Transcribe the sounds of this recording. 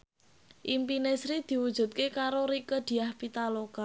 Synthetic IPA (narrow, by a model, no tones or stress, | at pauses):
ʔimpinesɾid̪̥i̤wud̥ʒ̥ṳt̪̚kekaɾoɾikəd̪̥i̤ahpit̪aloka